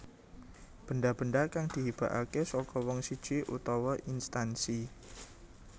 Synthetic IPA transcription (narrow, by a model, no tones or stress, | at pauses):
b̥əndab̥ə̤ndakaŋd̪̥i̤ɦib̥a̤ʔa̰kesɔkɔwɔŋsid̥ʒ̥eʔṵt̪ɔwɔʔinst̪ansi